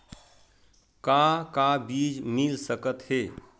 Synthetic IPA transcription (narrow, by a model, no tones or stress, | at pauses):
kakabiːd͡ʒmilsəkət̪heː